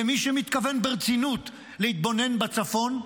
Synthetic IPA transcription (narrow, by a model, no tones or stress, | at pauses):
emiʃemit̪kave̞nbeʁt͡sinut̪ | lehit̪̚bo̞ne̞nbat͡safo̞n